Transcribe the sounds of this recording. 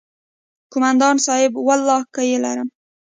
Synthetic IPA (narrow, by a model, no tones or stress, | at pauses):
kʰʊmand̪ɑnsɒhɪbwalˠːɒhkajelaɾɪm